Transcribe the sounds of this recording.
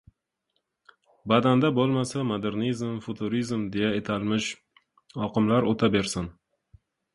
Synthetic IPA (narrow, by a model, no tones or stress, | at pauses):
bad̪and̪abolˠmasamod̪eɾnizmfʊt̪ʰʊɾizmd̪e̞jaet̪ʰalˠmɪʃ | ɒqɨmlaɾot̪ʰabe̞ɾsɪn